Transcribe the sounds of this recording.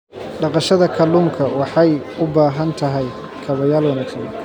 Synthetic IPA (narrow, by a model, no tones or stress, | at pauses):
ɖɑqɑʃɐðɐkʰɐlːuːŋkʰɐwɑħɑj | ʊbaːɦɐnt̪ʰɐɦɛj | kʰɐβɐjaːlwɐnɐt̪ʰɐɡɐ